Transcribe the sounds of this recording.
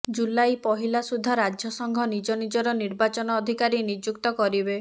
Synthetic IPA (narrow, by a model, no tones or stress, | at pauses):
d͡ʒulajpɔɦilasud̪ʱːaɾad͡ʒʱjɔsɔŋɡʱɔnid͡ʒɔnid͡ʒɔɾɔniɾbat͡ʃɔnɔːd̪ʱikaɾinid͡ʒukt̪ɔkɔɾibe